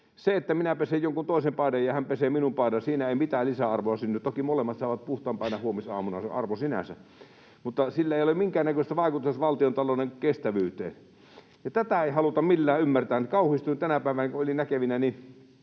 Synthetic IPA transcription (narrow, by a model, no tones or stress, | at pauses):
seet̪ːæminæpesejjoŋkunt̪oˑisempɑˑidɑjjɑhæmpeseːminumpɑˑidɑsiːnæeˑimit̪æːlisæɑrʋoɑsynːyt̪okimolemːɑt̪sɑˑeʋɑt̪̚puht̪ɑːmpɑˑinɑhuomisɑ̰ːmunɑsḛɑ̰rʋosinæ̰sæ̰ | mut̪ːɑsilːæeˑijolemiŋkæːnækøst̪æʋɑˑikut̪uset̪ʋɑlt̪iont̪ɑloˑneŋkest̪æʋyːt̪ḛː | jɑt̪æt̪æeˑihɑlut̪ɑmmilːæːymːært̪æːnkɑˑuhist̪uint̪ænæpæˑeʋænækuolinækeʋinæni